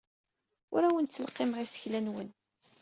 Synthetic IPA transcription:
ʊ̰ɾæwənt͡sːəlqːemʁisə̥çlænwən

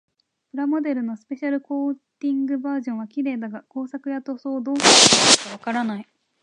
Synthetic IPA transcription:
pɯ̟ɾamo̞d̪e̞ɾɯ̟no̞sɨ̥pe̞ɕaɾɯ̟koːt̪ʲĩŋɡɯ̟baːʑõ̞ɰ̃βakʲiɾe̞ːd̪aɡako̞ːsakɯ̟jat̪o̞so̞ːd̪o̞ːkokaḁkaβ̞akaɾanai

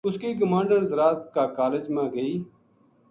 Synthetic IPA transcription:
ʊskiːk̬əmãːɳɖəɳzɾaːt̪kaːkaːled͡ʒmãːɡəiː

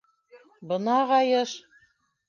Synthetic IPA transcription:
bɤ̆nɑʁɑjɤʃ

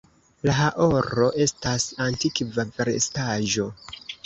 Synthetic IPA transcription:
laɦaʔo̞ɾo̞ʔe̞stasantikvaveɾḛstaʒo̞

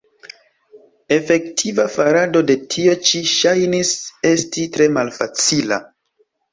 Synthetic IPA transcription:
e̞fe̞ktʰivafaɾado̞de̞tʰio̞t͡ʃiʃajnise̞stitɾe̞malfat͡sila̰

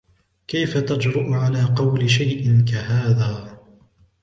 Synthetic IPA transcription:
kajfat̪ad͡ʒɾʊʔʊʕalaːqɑwlɪʃajʔɪnkahaːðaː

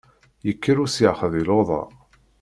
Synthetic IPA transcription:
jəkʰːəɾusjəʕχəðˤiloðˤɑ̰

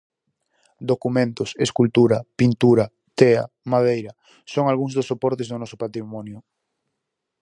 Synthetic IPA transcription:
d̪okumẽnt̪ʊseskult̪uɾɐpint̪uɾɐ | t̪eɐ̰ | mað̞ejɾɐ | soŋalɣuŋzðʊsːopɔɾt̪ezðʊnɔsʊpat̪ɾimɔnjʊ

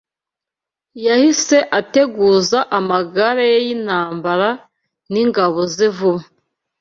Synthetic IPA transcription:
jahise̞ʔate̞ɡuːzaʔamaɡaɾajejinhaːmbaɾa | niŋɡaβo̞zivuma

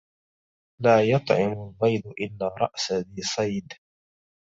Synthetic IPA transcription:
laːjɑt̪ˤʕɪmʊlbɑjd̪ʊʔɪlːaːɾˤɑ̰ʔsaðiːsˤɑjd̪

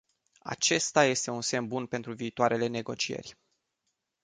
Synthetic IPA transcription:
a̰t͡ʃe̞st̪aje̞st̪e̞unse̞mbunpe̞nt̪ɾuviːt̪oaɾʔe̞le̞ne̞ɡo̞t͡ʃie̞̰rʲ

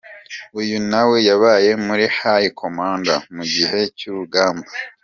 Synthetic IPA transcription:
ujunawe̞jaβaːje̞muɾihajikʰomaːŋɡamuɟihe̞cuβuɡaːmba

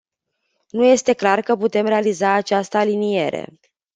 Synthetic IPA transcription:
nuje̞st̪e̞klarkəput̪e̞mɾe̞alizaːt͡ʃast̪əalinije̞̰ɾe̞̰

